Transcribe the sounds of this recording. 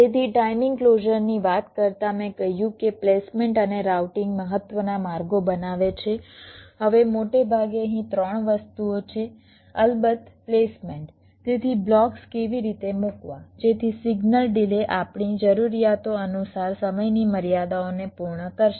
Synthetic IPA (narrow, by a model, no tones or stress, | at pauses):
t̪et̪ʰiʈaimɪŋɡkloʒəɾniʋat̪kəɾt̪amẽkəɦijũkeplesmeɳʈəneɾawʈɪŋɡməɦət̪ːʋənamaɾɡobənaʋet͡ʃʰeɦəʋemoʈebʱaɡeəɦĩt̪ɾəɳ̃ʋəst̪uot͡ʃʰe | əlbət̪plesmeɳʈ | t̪et̪ʰiblɔkskeʋiɾit̪emukʋãd͡ʒet̪ʰisiɡnəlɖileʔapɳid͡ʒəɾuɾijat̪oənusaɾsəməjniməɾijad̪aonepuɾɳəkəɾʃe